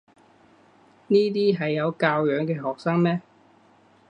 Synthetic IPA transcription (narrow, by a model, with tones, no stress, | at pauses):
niː˥t̪̬iː˥ɦɐ˨jːɐ˨˧wkaː˧wjœː˨˧ŋkɛː˧ɦɔː˨k̚saː˥ŋmɛː˥